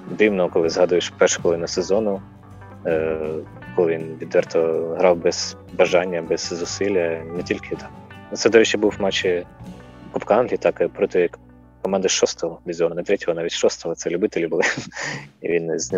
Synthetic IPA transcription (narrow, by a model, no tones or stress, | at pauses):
d̪ɪwnɔɔkɔlˠɪzɦɑd̪ʊjeʃpɛrʃʊ̥kɔlˠɪnʊsezɔnʊ | kɔlˠɪʋʲinʋʲid̪ʋɛrt̪ɔɔɦɾɑwbɛz̥ | bɐʒɑnʲːɐbɛz̥zʊsɪlʲːɐnɛtʲilʲkʰɪt̪ɑt̪sɛd̪ɔɾɛt͡ʃːɪbuwmɑt͡ʃɪ | kɔpkɑnlʲit̪ɑkpɾɔt̪ɔjɐk | kɔmɑnd̪ɐʃɔst̪ɔɦɔʋʲizʲɔnnɛt̪ɾɛtʲɔɦɔnɑʋʲitʲʃɔst̪ɔɦɔt̪sɛlʲʊbɪt̪elʲibʊlˠɪ | ḭʋʲinzʲn